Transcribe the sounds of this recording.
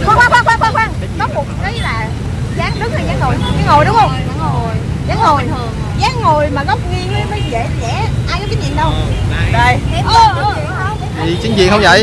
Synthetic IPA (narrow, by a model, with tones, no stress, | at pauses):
xwaː˧waː˧kwaː˧kwaː˧kwaː˧kwaː˧ŋ | nɔ˨˦mʊ˨˩tʔə˨˦jlaː˨˩ | zaː˨˦ŋɗɨ˦˥k̚aː˧˩zaː˨˦ŋho˨˩jza˨˦ŋɦo˨˩jɗʊ˨˦wŋ͡mhə˧wŋ͡mza˧˦ŋo˨˩˨j | zaː˨˦ŋho˨˩j | zaː˨˦ŋŋo˨˩jmaː˨˩ɣə˦˥wk͡p̚ŋi˧əŋmə˨˦jmə˨˦jze˧˩t͡ɕɛ˧˩ʔaː˧jkɓi˦˥t͡ɕḭ˧˨nɗə˧wzə˨˩ji˨˩t͡ɕi˨˦ŋt͡ɕḭ˧˨nhə˧wŋ͡mzə̰˧˨˦j